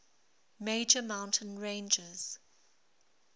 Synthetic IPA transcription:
meɪd͡ʒəmãʊ̃ntʰə̃nɹẽɪ̃nd͡ʒɪz̥

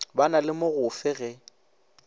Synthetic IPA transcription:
banalɪmʊɣʊfɪɣɛ

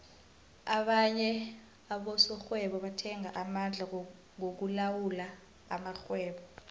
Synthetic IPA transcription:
aɓaɲɛ | aɓɔsɔxwɛɓɔɓatʰɛŋaʔamand͡ɮʱa | ŋok̬ulawula̰ː | maxwɛːɓɔ

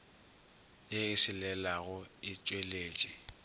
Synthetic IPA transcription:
jeɪsɪlɛlaɣʊɪt͡ʃʼweleːt͡ʃʼi

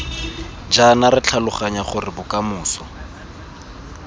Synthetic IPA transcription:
d͡ʒanarɪt͡ɬʰalʊχaɲaχʊrɪbʊkʼamʊːsɔ

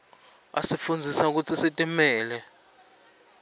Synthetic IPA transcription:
a̰sifund͡zʱisauk̬ut͡sʰisitʼimɛːlɛ

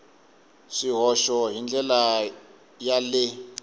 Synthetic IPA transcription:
ʂiɦɔʃɔɦind͡ɮʱɛla | jalɪ

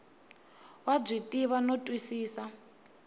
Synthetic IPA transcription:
wab͡ʐitʼiβanotʼwisiːsa

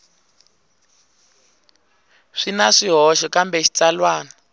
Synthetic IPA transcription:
ʂinaʂiɦɔʃɔkambɛʃi̥t͡salwaːna

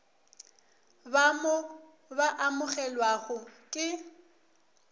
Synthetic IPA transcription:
bamɔ | baʔamʊɣɛlwaɣʊkʼɪ

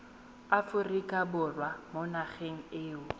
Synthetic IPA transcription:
afʊrikʼabʊrwamonaχeŋ̩ɪːʊ

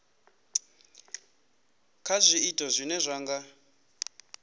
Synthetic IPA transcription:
kʰazʷiːtʼɔzʷinɛzʷaːŋɡa

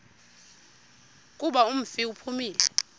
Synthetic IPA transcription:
kʼuɓaum̩fiupʰumiːlɛ̰

